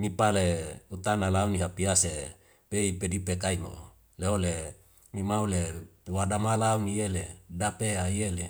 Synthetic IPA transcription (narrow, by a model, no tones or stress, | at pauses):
mipaleut̪analauniɦapiase | peipedipekaimo̰ | leole | mimaulewadamalaunijeledapeaijele